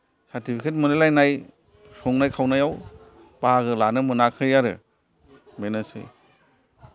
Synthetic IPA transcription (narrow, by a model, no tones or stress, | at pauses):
saɾtipʰikʰet̬mɯnɯlajnaj | sʰɔŋnajkʰawnajaw | b̥aaɡɯlanɯmɯnakʰɯjaɾɯ̰ | menɯsɯ̰j